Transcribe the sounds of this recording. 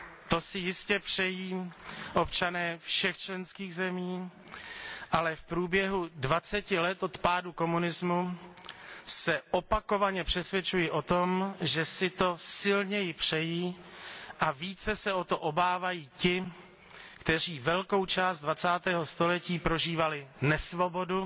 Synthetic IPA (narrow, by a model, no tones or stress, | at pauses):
t̪o̞sɪjɪscɛpr̝̥ɛjiːʔo̞pt͡ʃanɛːfʃɛxt͡ʃlɛnskiːɣzɛmiː | ʔalɛfpɾuːbjɛɦudvat͡sɛcɪlɛt̪o̞t̪paːduko̞munɪzmu | sɛʔo̞pako̞vaɲɛpr̝̥ɛsvʲjɛt͡ʃujɪʔo̞t̪o̞mʒɛsɪt̪o̞sɪlɲɛjɪpr̝̥ɛjiː | ʔaviːt͡sɛsɛo̞t̪o̞ʔobaːvajiːcɪ | kt̪ɛr̝iːvɛlko̞wt͡ʃaːst̪̚dvat͡saːt̪ɛːɦo̞st̪o̞lɛciːpɾo̞ʒiːvalɪnɛsvo̞bo̞du